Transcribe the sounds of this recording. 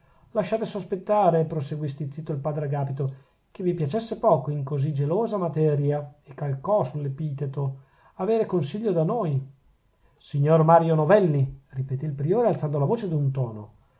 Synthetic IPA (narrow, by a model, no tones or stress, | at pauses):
laʃːaːt̪esospet̪ːaːɾepɾoseɡwist̪it̪sit̪ːoilpaːd̪ɾeaɡaːpit̪o | k̟evːipjat͡ʃesːepɔːkoiŋkozid͡ʒeloːzamat̪ɛːɾjaekːalkɔsulːepiːt̪et̪o | aveːɾekonsiʎːod̪anoːj | siɲːormaːɾjonovɛlːiripet̪iːlpɾioːɾealt̪sand̪olavoːt͡ʃed̪iunt̪ɔːno̰